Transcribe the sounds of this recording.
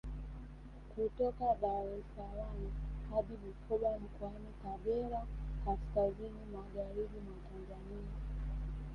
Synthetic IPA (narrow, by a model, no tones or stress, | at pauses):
kutɔkaɓawɛlsawanihaɗimukʰɔɓam̩kɔanikaɡɛɾakaskazinimaɣaɾiɓimatanzania